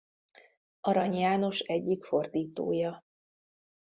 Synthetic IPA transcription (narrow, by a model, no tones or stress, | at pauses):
ʔɒɾɒɲjaːno̞ʃɛɟːikfo̞rd̪iːt̪o̰ːjɒ